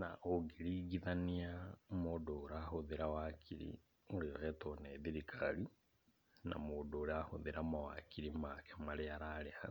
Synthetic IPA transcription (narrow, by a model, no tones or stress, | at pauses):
naoɡiɾiɡiðaniamodoːɾahoðeɾawakʰiɾḭ | oɾioɣɛtoneðiɾikʰali | na̰modoːɾahoðeɾamawa̰kiɾimakʰɛ̥maɾeaɾaɾeha